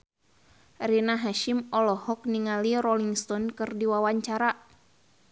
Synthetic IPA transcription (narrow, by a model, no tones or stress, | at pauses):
rinaɦaʃimɔlɔhɔk̚niŋaliɾɔliŋst̪ɔnkɨrdiwawaɲt͡ʃaɾa